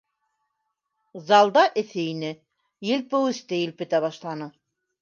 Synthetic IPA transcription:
zɑlˠd̪ɑʔɘ̆θɘinɘ | jɘ̆lpɘwɘ̆st̪ɘjɘ̆lpɘ̆t̪æβɑʃlˠɑnɤ

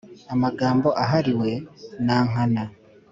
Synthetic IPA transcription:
amaɡaːmbo̞ʔaɦaɾiwe̞naːŋana

